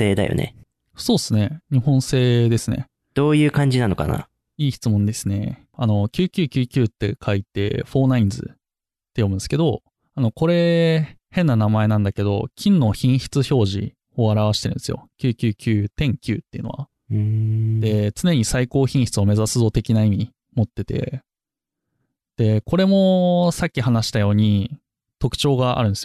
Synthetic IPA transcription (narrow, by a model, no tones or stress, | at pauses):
eːd̪a̰jo̰nḛ | so̞ːsɨne̞ɲ̟ihõ̞ɰ̃se̞ːd̪e̞sɨne̞̰ | d̪̥o̞ːjɯ̟ːkãɲ̟d͡ʑinano̞ka̰na̰ | iːçi̥t͡sɨmõnd̪e̞sɨne̞̰ | ano̞kʲɨːkʲɨːkʲɨːkʲɨːt̪ːe̞̰kʰait̪e̞̰ɸo̞ːnaĩnd͡zɨ̰ | t̪ːe̞jo̞mɯ̃nsɨ̥ke̞d̪o̞ | ano̞ko̞ɾe̞henːanamae̞nãnd̪ake̞d̪o̞̰kʲʰĩnːo̞çĩɰ̃çi̥t͡sɨço̞ːʑḭ | oaɾaβ̞aɕi̥t̪eɾɯ̟nesɨjo̞̰kʲɨːkʲɨːkʲɨːt̪ẽ̞ŋkʲɨːt̪ːeiɯ̟no̞a̰ | d̪e̞t͡sɨne̞ɲ̟isaiko̞ːçĩɰ̃çi̥t͡sɨβame̞zasɨzo̞t̪e̞kʲinaimʲi | mo̞t̪ːet̪e̞̰ | d̪̥e̞ko̞ɾe̞mo̞sakʲːihanaɕi̥t̪ajo̞ːɲ̟i | t̪o̞kɯ̟̥t͡ɕo̞ːɡaa̰ɾɯ̟nesijo